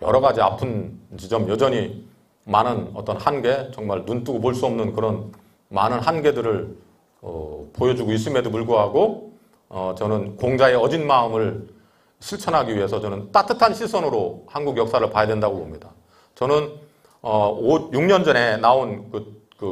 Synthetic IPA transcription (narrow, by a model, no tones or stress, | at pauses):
jʌ̰ɾʌɡad͡ʑia̰pʰɯnt͡ɕid͡ʑʌmjʌd͡ʑʌɲi | manɯnʌt͈ʌnhanɡe̞t͡ɕʌŋmaɭnunt͈uɡopoɭs͈uʌmnɯnkɯɾʌn | manɯnɦanɡe̞dɯɾɯɭ | ʌ̰pojʌd͡ʑuɡois͈ɯme̞dop̬uɭɡoɦaɡo | ʌt͡ɕʌnɯnkoŋd͡ʑaeʌd͡ʑinmaɯmɯɭ | ɕʰiɭt͡ɕʰʌnɦaɡiɥiɦe̞sʰʌt͡ɕʌnɯnt͈atʰɯtʰanɕʰisʰʌnɯɾohanɡuɡjʌk̚s͈aɾɯɭpajadwendaɡobomɲida | t͡ɕʌnɯn | ʌodjuŋɲʌnd͡ʑʌne̞naonkɯ | kɯ